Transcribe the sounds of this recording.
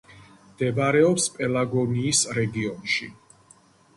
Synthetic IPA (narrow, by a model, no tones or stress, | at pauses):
md̪̥ɛbaɾɛɔpspʼɛlaɡɔniːsɾɛɡiɔnʃi